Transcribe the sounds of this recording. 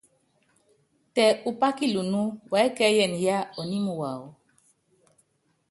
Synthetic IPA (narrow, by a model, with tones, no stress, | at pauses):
tɛ˨u˨pa˦ki˦lu˨nu˦wɛ˨˦kɛ˦jɛ˨n˨ja˦ɔ˨ni˦mu˨wa˨w